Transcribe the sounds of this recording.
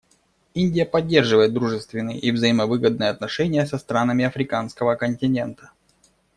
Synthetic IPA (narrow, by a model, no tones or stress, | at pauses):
inʲdʲɪjəpɐdʲːerʐɨvəjɪt̪d̪ɾuʐɨst̪vʲɪnːɨjə̰ʔivzɐiməvɨɡəd̪̚nɨjəɐt̪̚nɐʂɛnʲɪjəsɐst̪ɾanəmʲɪɐfɾʲɪkanskəvəkənʲtʲɪnʲe̞nt̪ə̥